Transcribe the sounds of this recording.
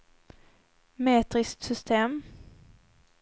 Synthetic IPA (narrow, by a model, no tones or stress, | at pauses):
meːt̪ɾɪskt̪sʏst̪ʰeːm